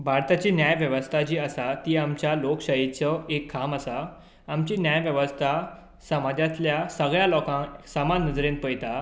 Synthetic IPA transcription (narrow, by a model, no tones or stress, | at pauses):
bʱaɾt̪at͡ɕiːnjajʋjəʋəst̪ʰad͡ʑiːəsat̪iːamt͡ɕjalokɕəjit͡sɔekʰːaməsaː | mt͡ɕiːnjajʋjəʋəst̪ʰa | səmad͡ʑat̪ljasəɡɭjalɔkãŋsəmanːəd͡zɾẽnpəjt̪a